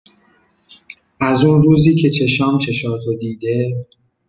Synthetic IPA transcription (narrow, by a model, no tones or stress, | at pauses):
ʔæzuːnɾuːziːcʰe̞t͡ʃʰe̞ʃɒːmt͡ʃʰe̞ʃɒːt̪ʰod̪iːd̪e̞